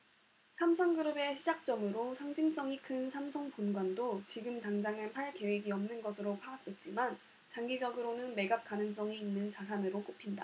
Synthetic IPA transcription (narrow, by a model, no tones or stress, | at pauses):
sʰamsʰʌŋɡɯɾɯbe̞ɕʰid͡ʑak̚t͡ɕ͈ʌmɯɾosʰaŋd͡ʑiŋs͈ʌŋikʰɯnsʰamsʰʌŋponɡwandot͡ɕiɡɯmtaŋd͡ʑaŋɦanpʰaɭke̞we̞ɡiʌmnɯnɡʌsʰɯɾopʰaːk̚t͈we̞t̚t͡ɕ͈iman | t͡ɕaŋɡid͡ʑʌɡɯɾonɯnme̞ɡap̚k͈anɯŋs͈ʌŋiːnːɯnt͡ɕasʰanɯɾok͈opʰinda̰